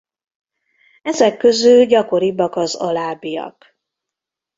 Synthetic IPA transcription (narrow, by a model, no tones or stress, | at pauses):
ɛzɛkːøzylɟɒko̞ɾibɒkɒzɒlaːbijɒ̰k